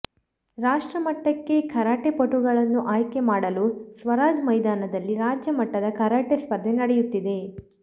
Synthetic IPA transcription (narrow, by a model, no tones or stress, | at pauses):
ɾaːʂʈɾɐmɐʈːɐkːe̞kʰɐɾaːʈepɐʈːuɡɐɭɐnːuʔaːjke̞maːɽɐlusʋɐɾaːd͡ʒmɐjd̪aːnɐd̪ɐlːiɾaːd͡ʒjɐmɐʈːɐd̪ɐkʰɐɾaːʈespɐɾd̪ʱenɐɽejut̪ːid̪e